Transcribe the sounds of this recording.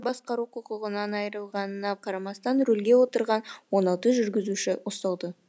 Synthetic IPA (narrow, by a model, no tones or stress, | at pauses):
bɑsqɑɾuqʰʊqʊʁənɑnɑjɾəlˠʁɑnənɑqʰɑɾɑmɑst̪ɑnɾɵlɡʲe̞wo̞t̪əɾʁɑnwo̞nɑlˠt̪əʒʏɾɡʲɪzuʃɪost̪ɑlˠd̪ə